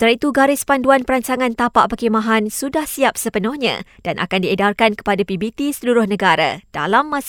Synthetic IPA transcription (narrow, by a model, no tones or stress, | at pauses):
ət̪əɾait̪uɡaɾɪspanduanpəɾaɲt͡ʃaŋãnt̪apaʔpəkimãɦansudahsiap̚səpənʊhɲã̰d̥anʔa̰kandiedarkankə̥padapibit̪isəluɾʊhnəɡaɾa̰d̥a̰lamːãs